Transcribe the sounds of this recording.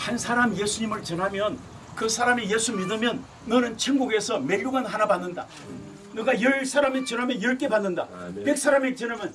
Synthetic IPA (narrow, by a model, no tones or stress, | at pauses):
hansʰaɾamjesʰuɲimɯɭt͡ɕʌnɦamjʌn | kɯsʰaɾamejesʰumidɯmjʌnː | ʌnɯnt͡ɕʰiŋɡuɡe̞sʰʌme̞ʎːuɡanɦanabanːɯnda̰ | nɯɡajʌɭsʰaɾamet͡ɕʌnɦamjʌjʌɭk͈e̞banːɯndapek̚s͈ʰaɾamet͡ɕʌnɦamjʌn